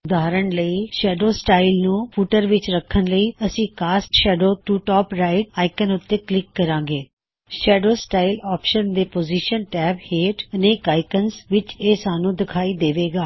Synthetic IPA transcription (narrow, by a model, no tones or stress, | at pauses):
ʊd̪aːɾəɳləiːʃɛːɖoːsʈaːɪlnũːpʰuːʈəɾʋɪt͡ʃɾəkʰːənləiːəsĩːkaːsʈʃɛːɖoːʈuːʈɔːpɾaːɪɖaːɪkənʊt̪ːeːklɪkːəɾãːɡeː | ʃɛːɖoːsʈaːɪlɔːpʃənd̪eːpoːziʃənʈɛːbheːʈəneːkaːɪkənsʋɪt͡ʃeːsaːnũːd̪ɪkʰaːiːd̪eːʋeːɡaː